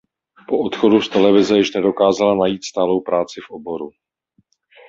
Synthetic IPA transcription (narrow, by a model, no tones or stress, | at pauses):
po̞ʔot̪xo̞dust̪ɛlɛvɪzɛjɪʃnɛdo̞kaːzalanajiːt̪st̪aːlo̞wpɾaːt͡sɪfʔobo̞ɾu